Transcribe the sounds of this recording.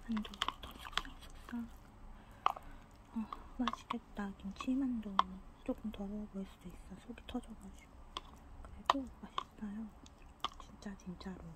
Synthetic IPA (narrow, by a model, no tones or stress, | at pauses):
andotʌsʰi̥k̚s͈aŋsʰu̥k̚s͈a | ʌmaɕʰi̥ɡet̚t͈akimt͡ɕʰimandot͡ɕ͈ok͈ɯmtʌɾʌboɭs͈ud̥ois͈ʌsʰoɡitʰʌd͡ʑʌbaɕʰi̥ɡ̥o | kɯɾeɡomaɕʰis͈ajo | t͡ɕint͡ɕ͈at͡ɕint͡ɕ͈aɾo